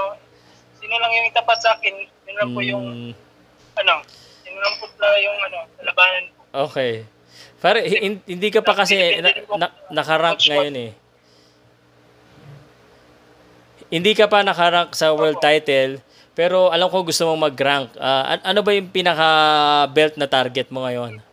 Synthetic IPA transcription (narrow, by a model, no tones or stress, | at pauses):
o | siːnolɐŋjʊŋɪt̪ɐpat̪̚saːkɛnjʊnlaŋpojʊ | ʔɐlo | jʊŋlɐmpʊt̪̚lɐjʊŋʔɐno̞kɐlɐbaːnɐnpoʔoːkɛj | paːɾɛhhɪnhɪnd̪iːkɐpɐkɐsɛnɐnɐkɐɾaŋkŋɐjo̞nɛ | hɪnd̪iːkɐpɐnɐkɐɾaŋksɐwɛɹld̪̚t̪ːajt̪ɛl | pɛːɾo̞ʔɐlɐmko̞ɡʊst̪omomɐɡɾaŋk̚ʔaʔɐ̰ʔɐno̞bɐjʊŋpinɐkɐbɛlt̪̚nɐt̪aɾɡɛt̪̚mo̞ŋɐjo̞n